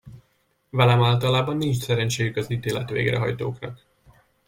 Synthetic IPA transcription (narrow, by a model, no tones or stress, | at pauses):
vɛlɛmaːlt̪ɒlaːbɒnːint͡ʃsɛɾɛnt͡ʃeːjykɒziːt̪eːlɛ̰t̪ʋḛːɡrɛ̰ɦɒ̰jt̪o̰ːknɒk